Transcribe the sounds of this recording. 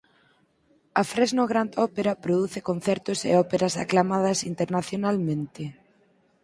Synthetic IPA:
ɐfɾɛznoɣɾand̪ɔpeɾɐpɾoðuθɪkon̟θɛɾt̪ʊsḛɔpeɾɐsa̰klamað̞ɐsint̪eɾnaθjonalmẽnt̪ɪ

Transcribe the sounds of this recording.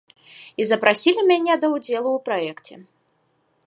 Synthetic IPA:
izɐpɾʔasʲilʲimʲanʲɛd̪ɐwd͡zʲɛlˠuwpɾaɛkt͡sʲɛ̰

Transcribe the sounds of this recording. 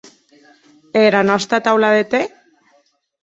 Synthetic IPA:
eɾanast̪at̪awlaðet̪e

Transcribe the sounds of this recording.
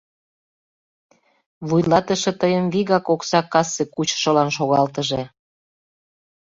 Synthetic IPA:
βujlɑt̪əʃĕt̪əjəmβiɣɑkoksɑkɑsːekut͡ɕʃə̆lɑnʃoɣɑlt̪əʒe

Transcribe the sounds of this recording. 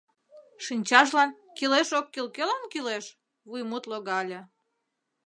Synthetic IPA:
ʃinʲt͡ɕɑʃ̬lɑnkileʃokːilkelɑnkileʃ | βujmut̪loɣɑlʲĕ

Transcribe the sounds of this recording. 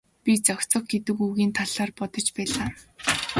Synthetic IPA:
pʲit͡sɔkʲt͡sɞ̆χ̚ɡet̪ɘ̆kuɣiːnt̪ʰaɮaːrpɔt̪ɞ̆t͡ɕpæːɮaː

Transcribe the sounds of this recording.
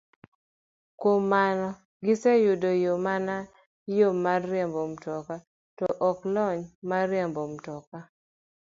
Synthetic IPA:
kwomːanɔ | ɡɪsejʊdojomana | jomarːjɛmbomtɔka | tɔʔɔklɔɲmaɾjɛmbomtɔka

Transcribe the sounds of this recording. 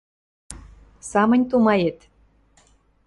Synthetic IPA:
sɑmə̆nʲt̪umɑjet̪

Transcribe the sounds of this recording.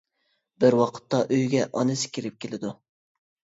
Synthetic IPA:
bɪɾwɑqʰə̥t̪ːɑʔøjɡʲɛʔɑnɨsɪ̥kʲiɾɪp̚kʲʰelɪd̪u

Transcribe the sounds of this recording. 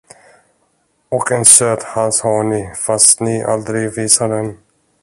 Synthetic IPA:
ɔkʰɛnsøːt̪halshaɳɪfast̪nɪʔa̰ld̪ɾɪɡviːsaɖɛn

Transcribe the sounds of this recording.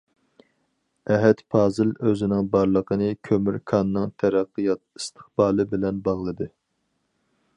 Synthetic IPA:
ɛɦɛt̪pʰɑːzɨløzɪnɪŋbɑɾlˠəqʰənɨkʲʰømyɾkʰɑnːɨŋt̪ʰæɾæqːijɑt̪̚ist̪ʰə̥χbɑːlˠɨbɪlɛnbɑʁlˠɨd̪ɨ

